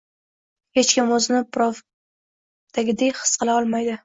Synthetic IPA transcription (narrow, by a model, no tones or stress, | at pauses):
het͡ʃkʲɪmɵznɪpɾof | d̪̥aɡʲɪd̪ejχɨ̥sqɨlˠaɒlˠmajd̪ɪ